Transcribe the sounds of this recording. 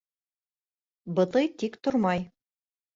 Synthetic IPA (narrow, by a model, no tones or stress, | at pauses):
bɤ̆t̪ɤjt̪ikt̪ŏɾmɑj